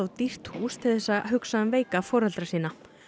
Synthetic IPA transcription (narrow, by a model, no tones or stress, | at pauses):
awt̪ir̥t̪huːst̪ʰɪlθɛsːaɦʏksaðʏmveːjkafɔːɾalt̪ɾasiːna